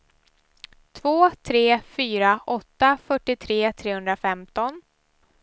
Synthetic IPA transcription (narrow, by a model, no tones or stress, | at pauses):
t̪ʰvoːt̪ʰɾeːfyːɾaʔɔt̪ːafœʈːɪt̪ʰɾeːt̪ʰɾeːhɵnd̪ɾafɛmt̪ɔn